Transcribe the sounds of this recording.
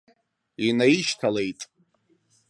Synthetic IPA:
inaiʃtʰale̞jtʼ

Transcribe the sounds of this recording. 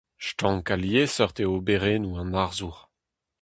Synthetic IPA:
ʃtɑ̃ŋkaljesœʁt̪eobeʁeːnuɑ̃naʁzuʁ

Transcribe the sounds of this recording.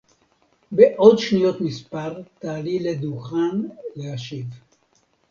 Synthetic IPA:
beʔod̪ʃnijo̞t̪mispaʁt̪aːliled̪uχanleaʃiv

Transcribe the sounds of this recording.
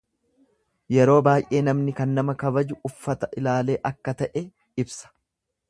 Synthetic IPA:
jɛɾo̞ːbaːjʔe̞ːnɐmnɪkɐnːɐmɐkɐbɐd͡ʒʊʊfːɐt̪ɐʔɪlaːle̞ːʔɐkːɐt̪ɐʔɛ | ɪbsɐ̥

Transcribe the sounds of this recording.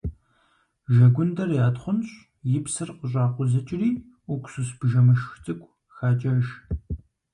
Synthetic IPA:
ʒɐɡʷʊndɐrjaːtχʷʊnɕ | jɪpsɨrqəɕʷʼɑːqʷʊzɐt͡ʃʼɪriː | ʔʊkʷsusbʒɐmɨʃxʷt͡sʼɨkʷʼ | xaːt͡ʃʼɐʒ

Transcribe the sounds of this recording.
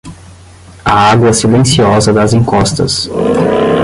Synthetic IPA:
ɐaɡwɐsilẽsiɔzɐd̪ɐzẽŋkɔst̪ɐ̰s

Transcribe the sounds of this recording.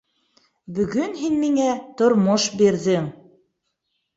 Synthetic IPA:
bɵ̆ɡɵnɦinmiŋæt̪ŏɾmoʃbiɾðɘŋ

